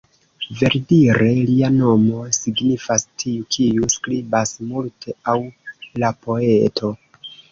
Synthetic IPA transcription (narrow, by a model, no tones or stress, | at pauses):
ve̞ɾdiɾe̞liano̞mo̞siɡnifastʰiukʰijuskɾibasmultʰe̞awlapo̞etʰo̞